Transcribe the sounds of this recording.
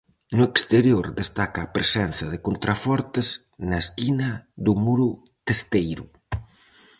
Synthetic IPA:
nʊekst̪eɾjoɾd̪est̪akaːpɾesɛn̟θjɐðekont̪ɾafɔɾt̪ez | naeskinɐðumuɾu | t̪est̪ejɾṵ

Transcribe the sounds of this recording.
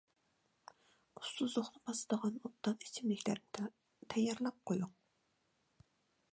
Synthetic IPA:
u̥st̪uzoχnɨpɑsɨ̥d̪əʁɑnot̪ːɑqit͡ʃʰimlɪkʲlæ̰ɾnɪ | t̪ʰɛjɑɾlˠɑp̚qʰojuŋ

